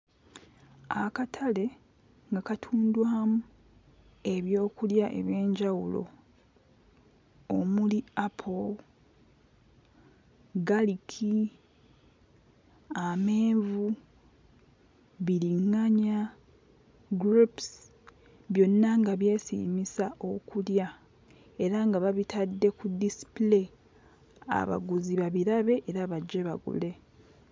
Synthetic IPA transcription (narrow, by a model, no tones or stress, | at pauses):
akatʰale̞ | ŋɡakatʰuːndwaːmu | e̞βjo̞ːkuljaʔe̞̰βje̞ːɲɟawulo̞̰ | omuliapʰol | ɡalikʰi | ame̞ːvu | βiɾiŋːaɲa | ɡɾups | βjo̞nːaŋɡaβje̞ːsḭːmisaʔo̞kulja | e̞ɾaŋɡaβaβitadːe̞kudisi̥ple̞ | a̰βa̰ɡuziβaβiɾaβe̞ʔeɾaːβaɟeβaɡṵle̞